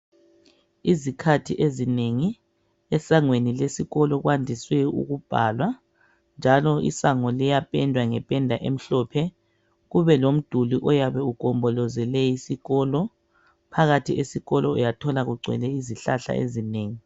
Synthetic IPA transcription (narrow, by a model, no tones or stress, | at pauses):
izikʰatʰiʔezineŋi | ɛsaŋwenilesiɣɔlɔɣwandʱiswɛṵɣub̥ʱa̰lwa | nd͡ʒʱalɔḭsaŋɔlɛjapʼɛndʱwaŋɛpʼɛndʱaʔem̩ɬɔpʰɛ | ɣuβɛlom̩d̥ʱuliʔɔjaβɛukʼɔmbʱɔlɔzɛlɛjisiɣɔlɔ | pʰaɣatʰiʔesiɣɔlɔṵjatʰɔlaɣuɡ͡ǀʱwɛ̰lɛiziɬaɬa̰ḛzineːŋi